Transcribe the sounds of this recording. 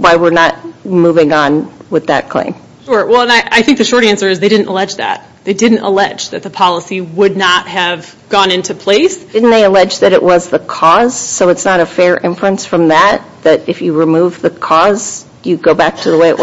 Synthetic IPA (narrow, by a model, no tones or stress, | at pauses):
waɪwɪɹnət̚muvɪ̃ŋə̃nwɨðɨ̰t̚kʰl̥ḛ̃ɪ̃m | ʃɔɹwɛlˠə̃naɪʔaɪθɪ̃ŋk̚ðɨʃɔɹɾæ̃nsə˞ɨzðeɪdɪdⁿn̩tə̰lɛd͡ʒðæ̰t̪̚ | ðeɪdɪdⁿn̩tə̰lɛd͡ʒðɨt̪̚ðəpʰɑlˠəsiwʊdⁿnət̚hɨv̥ | ɡ̥ɔ̃nɪ̃ntʉpʰl̥eɪsdɪdⁿn̩ðeɪəlɛd͡ʒðɨɾɨ̰ʔwʌzðəkʰɔz̥soʊɨtsnəɾɨfɛɹʔɪ̃ɱf̩ɨ̃nsfɹʌ̃mðæt̪̚ðɨɾɨfjɨɹɨmuvðɨkʰɔz̥ | jɨɡoʊbæk̚tʰɨðəweɪɨ̰ʔw